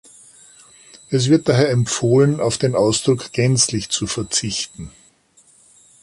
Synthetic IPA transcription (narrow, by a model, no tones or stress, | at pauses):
ʔɛs̬v̥ɪɐt̚d̥aɦeːɐɛmpfoːlənaʊfd̥eːnʔaʊsd̥ʁʊkɡ̥ɛnt͡slɪçt͡sufɛɐt͡sɪçtn̩